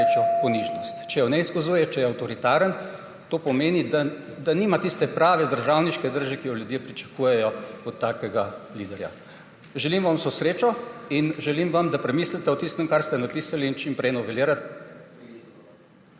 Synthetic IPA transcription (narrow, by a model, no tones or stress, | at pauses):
t͡ʃɔpɔniʒnɔst̪t͡ʃɛjɔnɛiskɔzuːjɛt͡ʃɛjɛawt̪ɔɾit̪aːɾən | t̪oːpɔmeːnid̪a | d̪animat̪ist̪ɛpɾaːʋɛd̪əɾʒawniʃkɛd̪əɾʒɛkijɔljud̪jepɾit͡ʃɐ̥kuːjɛjɔɔt̪ːaːkɛɡaliːd̪ɛɾja̰ | ʒɛlimʋamsosɾeːt͡ʃɔinʒɛlimʋamd̪apɾɛmiːslit̪ɛɔt̪ist̪əmkaɾst̪ɛnapiːsaliːnt͡ʃimpɾɛjnɔʋɛljeɾa